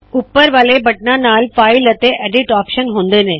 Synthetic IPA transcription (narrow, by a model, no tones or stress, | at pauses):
ʊpːəɾʋaːlebɐʈnãnaːlfaːɪlət̪eʔɛːɖɪʈaːpʃənɦõːnd̪enẽː